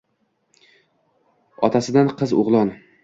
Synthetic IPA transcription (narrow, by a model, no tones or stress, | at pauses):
ɒ̰t̪ʰasɪd̪anqʰɨzʊ̰ʁlˠɒn